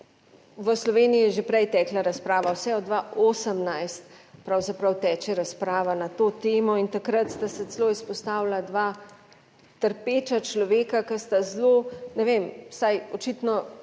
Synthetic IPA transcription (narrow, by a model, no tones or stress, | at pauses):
ʋəslɔʋeːniiɛʒepɾɛjt̪ɛːklaɾaspɾaːʋawsɛɔd̪ʋaoːsəmnajst̪pɾawzapɾawt̪ɛːt͡ʃɛɾaspɾaːʋanat̪oːt̪eːmɔint̪akɾat̪st̪asɛt͡s̪loːispɔst̪aːwlad̪ʋaː | t̪əɾpeːt͡ʃat͡ʃlɔʋeːkakəst̪azlonɛʋemsajɔt͡ʃit̪nɔ